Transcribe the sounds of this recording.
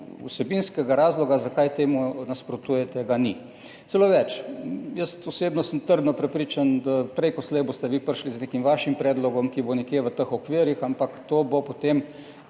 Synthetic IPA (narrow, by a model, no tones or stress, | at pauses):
ṵsɛbinskɛɡaɾaːzlɔɡazakajt̪eːmunaspɾot̪ujɛt̪ɛɡani | t̪sɛloːʋɛt͡ʃjəst̪ɔseːbnɔsənt̪əɾd̪nɔpɾɛpɾiːt͡ʃand̪apɾɛjkɔslɛjbost̪ɛʋipəɾʃlizneːkimʋaːʃimpɾɛːd̪lɔɡɔmkibonɛkjeʋət̪əxɔkʋiːɾjixampakt̪oːbopot̪em